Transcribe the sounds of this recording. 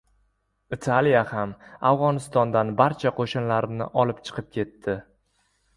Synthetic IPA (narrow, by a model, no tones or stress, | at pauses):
ɪt̪ʰalijahamavʁɒnɪst̪ɒnd̪anbaɾt͡ʃʰaqʰoʃɪnlaɾnɪ̰ʔɒlɪpt͡ʃʰɨ̥qʰɨp̚kʲʰe̞t̪ːɪ